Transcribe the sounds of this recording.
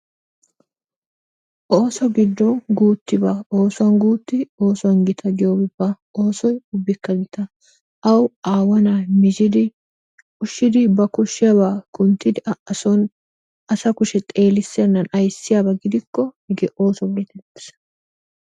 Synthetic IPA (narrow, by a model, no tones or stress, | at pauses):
ʔoːsɔɡɪd̪ːɔnɡuːt̪ːɪbaːoːsʊɐnɡuːt̪ːɪo̞ːsʊwɐnɡɪt̪ʰɐɡɪjoːbɪbːɐ | o̞ːsɔjʊbːɪkːɐɡɪt̪ɐ | ʔɐwaːwɐnamɪd͡ʒɪd̪ɪ | ʊʃːɪd̪ɪbɐkʊʃːɪjɐbaːkʊnt̪ːɪd̪ɪʔɐɔn | ɐsɐkʊʃɛt̪ʼe̞ːlɪsːɪjɐnːɐnɐjsːɪjaːbɐɡɪd̪ɪkːɔhɪɡɛʔo̞ːsɔbɔlɛt̪ɛt̪ːɪ̥s